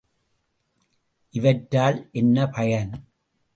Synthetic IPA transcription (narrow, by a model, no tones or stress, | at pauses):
ʔɪʋɐʈɾaːlʔɛnːɐpʰɐjɐn